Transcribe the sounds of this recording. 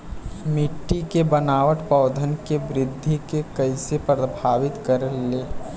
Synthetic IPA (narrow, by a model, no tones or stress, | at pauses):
mɪʈːikebənaːʋəʈpɔːd̪ʱənkebɾɪd̪ʱːikekəɪsepɾəbʱaːʋɪt̪kəɾəlːeː